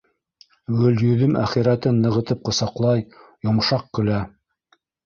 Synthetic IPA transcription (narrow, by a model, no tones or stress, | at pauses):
ɡɵ̆ljɵ̆ðɘmæ̰χiɾæt̪ɘnːɤ̆ʁɤ̆t̪ɤp̚qɤ̆sɑqlˠɑjjŏmʃɑq̚kɵ̆læ